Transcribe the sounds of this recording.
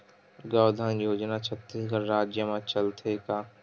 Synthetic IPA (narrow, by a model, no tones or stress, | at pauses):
ɡaːd̪ʱanjoːd͡ʒnat͡ʃʰət̪ːekaɾaːd͡ʒjəmãt͡ʃɐlt̪ʰeka